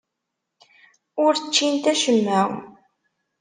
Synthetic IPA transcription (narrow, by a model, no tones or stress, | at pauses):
ʊɾt͡ʃːint̪æʃəmːæw